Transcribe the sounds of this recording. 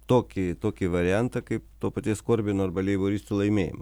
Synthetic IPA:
t̪oːkʲɪt̪oːkʲɪʋɐɾʲɪjɛnt̪ɐkɐɪpt̪oːpɐt̪ʲiːskoːɾʲbʲɪnoːɐɾbɐlʲɛɪboːɾʲɪsʲt̪ʲʊlˠɐɪmʲeːjɪ̰mɐ

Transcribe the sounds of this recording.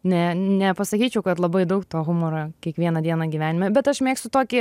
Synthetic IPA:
nʲɛnʲɛpɐsɐkʲiːt͡ʃʲɛʊkɐt̪lˠɐbɐɪd̪ɐʊkt̪oːɣʊmoːɾɐkʲiɛkʋʲiɛnɐd̪ʲiɛnɐɡʲiʋʲæːnʲɪmɐbʲɛt̪ɐʃmʲeːkst̪ʲʊt̪oːkʲɪ

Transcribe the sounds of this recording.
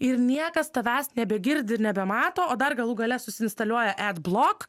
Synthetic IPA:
ɪɾnʲiɛkɐst̪ɐʋʲæːsnʲɛbʲɛɡʲɪɾʲd̪ʲɪɪɾnʲɛbʲɛmɑːt̪oːoːd̪ɐrɡɐlˠuːɡɐlʲɛsʊsʲɪɪnst̪ɐlʲuɔjɛʔæt̪blˠoːk

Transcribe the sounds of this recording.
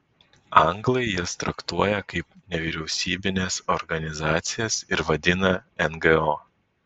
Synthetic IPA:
ɐŋɡlˠɐɪjɪst̪ɾɐkt̪uɔjɛkɐɪpnʲɛʋʲiːɾʲɛʊsʲiːbʲɪnʲesɔɾɡɐnʲɪzɑːt̪sʲɪjɛsɪɾʋɐd̪ʲɪnɐɛnɡɨoː

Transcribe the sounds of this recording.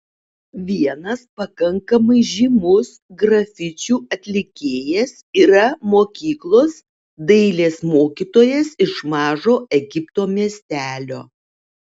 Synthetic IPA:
ʋʲiɛnɐspɐkɐŋkɐmɐɪʒʲimʊsɡɾɐfʲɪt͡ʃʲuːɐt̪ʲlʲɪkʲeːjɛsiːɾɐmoːkʲiːklˠoːs | d̪ɐɪlʲeːsmoːkʲiːt̪oːjɛsɪʃmɑːʒoːʔɛɡʲɪpt̪oːmʲiɛsʲt̪ʲæːlʲoː

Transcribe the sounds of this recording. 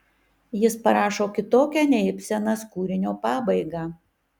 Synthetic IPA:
jɪspɐɾɑːʃoːkʲɪt̪oːkʲænʲɛɪpʲsʲɛnɑskuːɾʲɪnʲoːpɑːbɐɪɡɑː

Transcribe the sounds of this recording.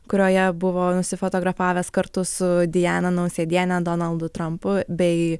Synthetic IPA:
kʊɾʲoːjɛbʊʋoːnʊsʲɪfoːt̪oːɡɾɐfɑːʋʲeːskɐɾt̪ʊsʊd̪ʲɪjæːnɐnɐʊsʲeːd̪ʲiɛnʲɛd̪oːnɐlˠd̪ʊt̪ɾɐmpʊbʲɛɪ

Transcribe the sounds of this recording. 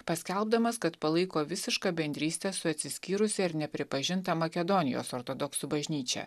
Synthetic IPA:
pɐsʲkʲɛlˠbd̪ɐmɐskɐt̪pɐlˠɐɪkoːʋʲɪsʲɪʃkɑːbʲɛnʲd̪ʲɾʲiːsʲt̪ʲɛsʊɐt̪ʲsʲɪsʲkʲiːɾʊsʲɛɪɾnʲɛpʲɾʲɪpɐʒʲɪnt̪ɐmɐkʲɛd̪onʲɪjo̰ːsoːɾt̪od̪ɔksubɐʒʲnʲiːt͡ʃʲɛ̰

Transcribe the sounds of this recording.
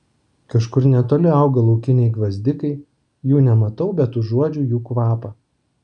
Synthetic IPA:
kɐʃkʊɾnʲɛt̪oːlʲɪɑʊɡɐlˠɐʊkʲɪnʲɛɪɡʋɐzʲd̪ʲɪkɐɪ | juːnʲɛmɐt̪ɐʊbʲɛt̪ʊuɔd͡ʒʲuːjuːkʋɑːpɐː

